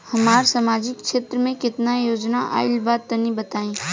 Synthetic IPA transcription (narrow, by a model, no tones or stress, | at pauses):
hɐmaːɾsamaːd͡ʒɪkʃeːt̪ɾəmẽkɪt̪najoːd͡ʒnaʔa̰ːɪlbaːd̪̚t̪ɐnĩbɐt̪aːĩː